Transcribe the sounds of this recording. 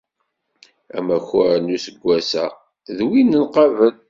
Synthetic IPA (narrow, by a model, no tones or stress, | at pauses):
æ̰mæçʊɾnːusəɡʷːæsæ | ðwinːənqɑvən